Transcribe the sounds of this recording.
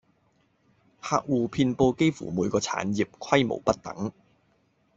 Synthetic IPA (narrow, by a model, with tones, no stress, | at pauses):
haː˧k̚wuː˨pʰiː˧npo˧wke˥jfṵː˨˩muː˨˧jkɔː˧t͡sʰa̰ː˨˥nji˨p̚kʰwɐ˥jmo̰˨˩wpɐ˥t̚t̪ɐ̰˨˥˦ŋ